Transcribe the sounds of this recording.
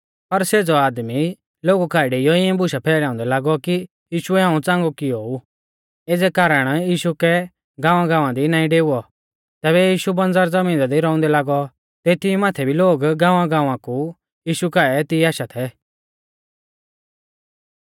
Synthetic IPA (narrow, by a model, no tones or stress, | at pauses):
pɐɾseːd͡zɔaːd̪mi | loːɡukaːɛɖejɔɪɛ̃bʊʃapʰɛːlaːʊ̃nd̪ɛlaːɡɔki | jiːʃuɛɦãːũt͡sãːŋɡɔkɪou | eːd͡zɛkaːɾəɽ̃jiːʃukɛ | ɡãːʋãɡãːʋãd̪inaːĩɖeːuɔ | t̪ɛːβɛjiːʃubɐ̃nd͡zaːɾd͡zɐmĩːnd̪ad̪iɾɔ̃ːʊ̃nd̪ɛlaːɡɔ | t̪et̪ɪmaːt̪ʰɛbʱiloːɡɡãːʋãɡãːʋãku | jiːʃukaːɛt̪ɪːaːʃat̪ʰɛ